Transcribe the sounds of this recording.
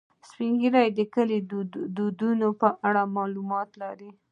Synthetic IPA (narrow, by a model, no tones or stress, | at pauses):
spiŋɡiɾajd̪əkəlid̪ud̪unopəʔaɽamɑlumɑt̪laɾi